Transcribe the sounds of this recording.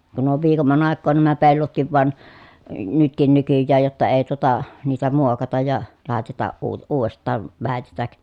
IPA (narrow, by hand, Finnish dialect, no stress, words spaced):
kun on ʋiːkomːɑn ɑˑekːoːn næmæ pelːotkiʋ ʋɑn nytkin nykyjːæːj jotːɑ eː tuotɑ niːtæ muokɑtɑj jɑ lɑˑetɑtɑʔ ʔuː uːʋˑestˑɑːʋ ʋæˑetetæk